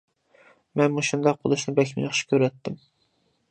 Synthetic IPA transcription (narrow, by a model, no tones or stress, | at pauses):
mɛnmuʃund̪ɑq̚qʰːʊ̰d̪ɨʃnɪbɛkʲmḭjχʃkʲʰøɾɛt̪ʰːɪm